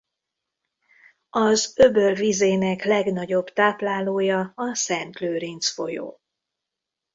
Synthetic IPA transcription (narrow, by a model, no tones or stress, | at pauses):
ɒzøbørvizeːnɛklɛɡnɒɟo̞bt̪aːplaːloːjɒɒsɛnt̪løːɾint̪sfo̞jo̰ː